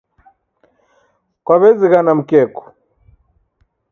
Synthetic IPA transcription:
kwaβɛziɣanam̩kɛkɔ̥

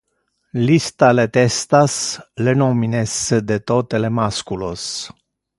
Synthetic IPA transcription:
list̪alet̪est̪aslenominesed̪et̪ot̪elemaskulos

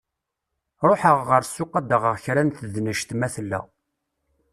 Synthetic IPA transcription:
ɾˤoħəʁːəɾsːʊqːɑd̪əʁəʁçɾænθəðnəʃt̪mæθlːæ̰

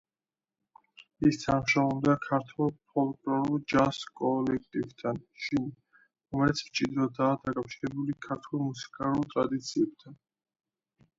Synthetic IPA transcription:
ist̪ʰamʃaɔmd̪akʰaɾt̪ʰwɛlˠpʰɔlˠkʼlɔɾuld͡ʒaskʼɔlɛk̚ʰt̪ʼivt̪ʰanʃin | ɾɔmɛlɛt̪sʰvt͡ʃʼid̪ɾɔd̪aːd̪akʼafʃiɾɛbulikʰaɾt̪ʰulˠmusi̥kʼalˠult̪ʼɾad̪it̪sʰiɛb̚t̪ʰan

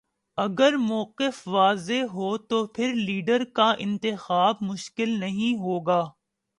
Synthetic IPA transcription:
ɐɡəɾmɔːqɪfʋaːzeɦoːt̪opʰɪɾliːɖəɾkaʔɪ̃nt̪ɪxaːb̚mʊʃkɪlnɐɦĩɦoːɡaː

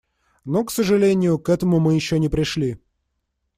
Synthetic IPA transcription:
noksəʐɨlʲenʲɪjʊkɛt̪əmʊmɨjɪɕːonʲɪpɾʲɪʂlʲi

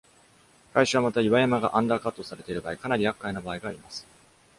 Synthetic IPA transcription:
kaiɕɨβamat̪aiβajamaɡaʔãnd̪aːkat̪ːo̞saɾe̞t̪e̞ɾɯ̟baːikanaɾʲijakːainabaːiɡaːɾʲimasɨ̥

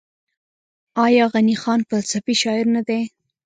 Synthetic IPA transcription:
ɑjɑɣanixɑnfalsafiʃɑɪɾnad̪e

